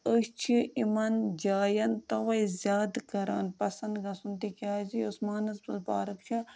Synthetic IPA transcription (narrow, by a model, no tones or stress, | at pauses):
əʃt͡ʃʰiimɐnd͡ʒaːjɐnt̪ɐʋɐizʲjaːd̪kɐɾa̰ːnpɐsɐnd̪ɡɐsunt̪ikʲaːzijosmaːnɐzbɐlba̰ːɾɐkt͡ʃʰɐ